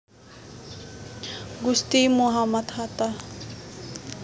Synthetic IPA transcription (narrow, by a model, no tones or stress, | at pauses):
ɡust̪imuɦamɐt̪ʰat̪a